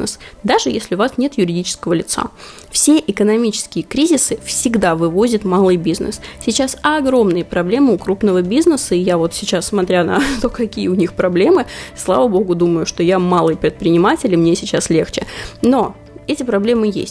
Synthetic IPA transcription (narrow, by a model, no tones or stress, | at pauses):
nə̰sd̪aʐɨjesʲlʲɪʊvasnʲe̞t̪jʉɾʲɪdʲit͡ɕɪ̥skəvəlʲɪt̪sa̰ | fsʲe̞ʔɪkənɐmʲit͡ɕɪ̥skʲɪjəkɾʲizʲɪsɨfsʲɪɡd̪avɨvo̞zʲɪt̪malˠɨjbʲiznə̰ssʲɪt͡ɕasɐɡɾo̞mnɨjəpɾɐblʲemɨʊkɾupnəvəbʲiznəsəɪjavo̞t̪sʲɪt͡ɕassmɐt̪ɾʲanɐ̰t̪o̞kɐkʲijəʊnʲixpɾɐblʲe̞mɨslˠa̰vəbo̞ɡʊd̪uməjʊʂt̪o̞jamalˠɨjpɾʲɪt̪̚pɾʲɪnʲɪmatʲɪlʲɪmnʲesʲɪt͡ɕaslʲe̞xt͡ɕɪno̞ | ɛtʲɪpɾɐblʲe̞mɨjḛsʲt̚ʲ